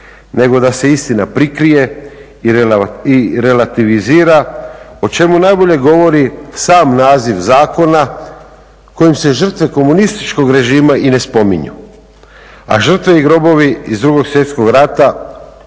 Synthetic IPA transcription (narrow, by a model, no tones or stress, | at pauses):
ne̞ɡo̞d̪ase̞ist̪inapɾikɾije̞ | iiɾe̞lat̪iʋiziːɾaot͡ʃe̞munajbo̞ʎe̞ɡo̞ʋo̞ɾisaːmnaːziʋzaːko̞na | ko̞jimse̞ʒər̩t̪ʋe̞ko̞munist̪i̥t͡ʃko̞ɡɾe̞ʒiːmaine̞spo̞mḭɲṵ | a̰ʒr̩t̪ʋe̞iɡɾo̞bo̞ʋiizd̪ɾuɡo̞ɡsʋje̞t̪sko̞ɡɾat̪a